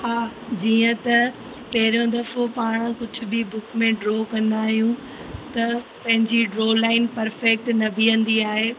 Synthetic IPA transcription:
ɦaːd͡ʑiːə̃t̪ɐ | pɐɦɪɾjõd̪ɐfopaːɽ̃kʊd͡ʑʱʊ̆bɪbʊkmẽɖɾoːkɐ̃nd̪aːɦijũ | t̪ɐpɐ̃ɦɪ̃ɲd͡ʑiɖɾoːlaːɪnpɐɾfɛk̚ʈnɐbʱiʋɐ̃nd̪iaːɦeː

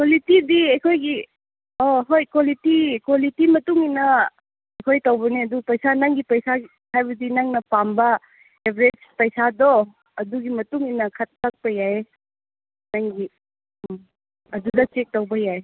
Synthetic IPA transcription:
kwolitidiɐjkʰojɡi | oɦojkwolitikwolitimɐtuŋinɐ | ɐjkʰojtɐwbɐneɐdupɐjsanaŋɡipɐjsa | hajbɐdinaŋnɐpambɐ | ebɾed͡ʒpɐjsadɔ | ɐduɡimɐtuŋinɐkʰat̚ːak̚pɐjae | naŋɡi | ɐdudɐt͡ʃek̚towbɐjaje

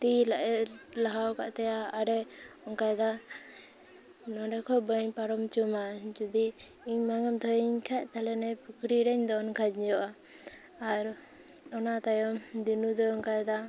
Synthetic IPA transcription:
t̪ilaʔɛlaɦawka̰ʔt̪ɛjaːɾɛɔŋkajd̪a | nɔɖɛkʰɔbəɲpaɾɔmt͡ʃumad͡ʒud̪i | iɲmaŋamd̪ʰɔiɲkʰɛʔt̪alɛnɛpukɾiɾɛɲd̪ɔnkʰad͡ʒd͡ʒɔʔaː | ɾ | ɔnat̪ajɔmd̪inud̪ɔŋkajd̪a

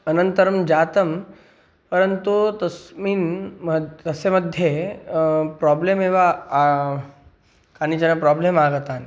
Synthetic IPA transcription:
ɐnənt̪əɾmd͡ʒaːt̪ɐm | pɐɾənt̪ut̪ɐsmin | t̪ɐsemɐd̪ʱːje | pɾɔːblemeʋa | kaːnit͡ʃɐnapɾɔblemaːɡət̪aːn

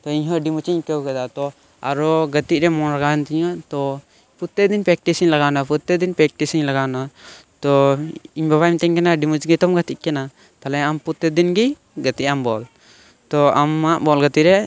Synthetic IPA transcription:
t̪ɔiɲɦɔɖimut͡ʃiɲkɛwkɛd̪at̪ɔ | aɾɔɡət̪iʔ̚ɾɛmɔnɾaɡant̪iɲɔt̪ɔ | put̪ːɛd̪inpɾɛk̚ʈisiɲlaɡanaput̪ːɛd̪inpɛk̚ʈisiɲlaɡanat̪ɔiɲbaβajmt̪ɛɲkɛnaɖimut͡ʃɡit̪ɔmɡət̪iʔ̚kɛna | t̪alɛamput̪ːɛd̪inɡi | ɡət̪iʔ̚ambɔl | t̪ɔamːaʔbɔlɡət̪iʔɾɛ

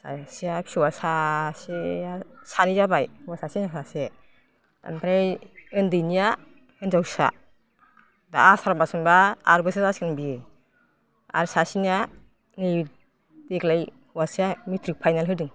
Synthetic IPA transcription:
sa̰sijapsuwasaseasanizabajhwasasinasase | a̰npʰɾajɯndɯnija | ɯnzawsa̰ | daasaɾmbasɯmbaːɾbɯsesaskɯnbi | a̰ɾsasinija | ni | deklaj | hwasiamitʰɾik̚pʰajnalɦɯdɯŋ

